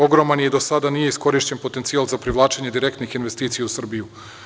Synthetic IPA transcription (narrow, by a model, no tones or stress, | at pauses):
o̞ɡɾo̞manjed̪o̞sad̪anije̞isko̞ɾiʃt͡ɕenpo̞t̪ent̪sialˠzapɾiʋlˠaːt͡ʃeɲe̞d̪iɾe̞kt̪nixinʋe̞st̪iːt̪sijausr̩biju